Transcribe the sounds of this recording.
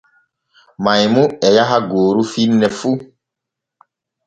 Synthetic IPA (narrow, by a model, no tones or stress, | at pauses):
majmuɛjaɦaɡoːɾufinːɛfu